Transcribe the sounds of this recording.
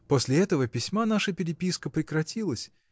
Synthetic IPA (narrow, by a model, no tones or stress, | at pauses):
posʲlʲɪɛt̪əvəpʲɪsʲmanaʂəpʲɪɾʲɪpʲiskəpɾʲɪkɾɐtʲilˠəsʲ